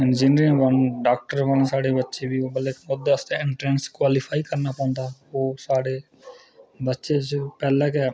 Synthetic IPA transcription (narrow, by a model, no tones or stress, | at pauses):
ɪnd͡ʒinɾɪŋʋənɖaːkʈəɾʋənsaːɽeːbətːʃeːbiːoːbəlekmʊd̪ːeəst̪eːɪɳʈɾɛ̃ːnskwaːliːpʰaːikəɾnaːpɔ̃ːnd̪aːoːsaːɽeː | bətːʃeːt͡ʃpɛːlɛːkɛ